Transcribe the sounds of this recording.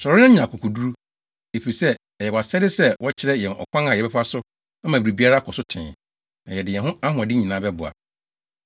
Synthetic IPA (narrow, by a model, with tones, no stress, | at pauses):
sɔ˨ɾɪ˦nʊ̃˦ɲ̩ᶣĩ˦˨ã˨kʰʊ˨kʰu˨du˦ɾu˦ | e˨fi˨i˨sɛ˦ | ɛ˨jɛ˨wa˨sɛ˦dɪ˦sɛ˦wɔ˦t͡ɕʰɪ˦ɾɛ˦jɛ̃˨nʔɔ̰˨kʷʰã˦ŋã˨jɛ˨bɛ˦fʊ˦a˦sʊ˦ | a˦mã˨bɾi˨bi˦a˦ɾa˦kʰɔ˨sʊ˦tʰɪ̰̃ː˨ | nã˨jɛ˨dɪ˨jɛ̃˨ɦʊ̃˦a˦ɦʊ̃˨a˨dɪ˦ɲĩ˨nãː˨˦bɛ˦bʊ˨a̰˨